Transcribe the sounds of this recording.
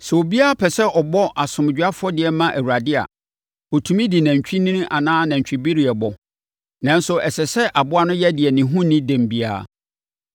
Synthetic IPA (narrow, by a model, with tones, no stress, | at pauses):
sɛ˨o˨bi˦a˦a˦pʰɛ˨sɛ˦ɔ˨bɔ˦ʔa˨sʊ̃˨m˨d͡ʑᶣa˦fʊ˦ɔ˦dɪ˨ɛ˨˦mã˦ʔæ˨wu˨ɾa˨dɪ˦a̰˨ | o˨tʰũ˨mĩ˦di˨næ̃˨ɲ˨t͡ɕᶣi˦nĩ˦ñ˦ʔa˨nãː˦nã˨ɲ˨t͡ɕᶣi˨bi˦ɾi˨ɛ˨bɔ˨ | nã˦nsʊ˨ɛ˨sɛ˨sɛ˦ʔa˨bʊ˦a˦nʊ̃˦jɛ˦dɪ˨ɛ˨nɪ̃˨ɦũ˦nĩ˦dɛ̃˨mbi˦a̰ː˦˨